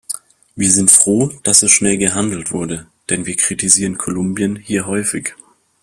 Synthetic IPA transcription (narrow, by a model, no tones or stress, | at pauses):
viːɐzɪntfʁ̥oːd̥asɛsʃnɛlɡəɦandl̩tv̥ʊɐdə | d̥ɛnviːɐkʁ̥itiziːʁənkʰolʊmbjənhiːɐɦɔʏfɪç